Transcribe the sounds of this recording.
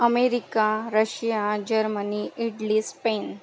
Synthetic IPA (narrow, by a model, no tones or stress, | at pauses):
əmeɾikaɾəɕijad͡ʑəɾməniʔiʈliːspen